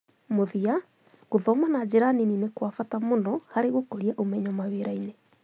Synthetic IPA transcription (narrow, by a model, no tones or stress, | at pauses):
moðia | ɣoðɔmanad͡ʑeɾanininekwafatamonɔhaɾeɣokɔɾiaʔomɛɲɔmaweɾaine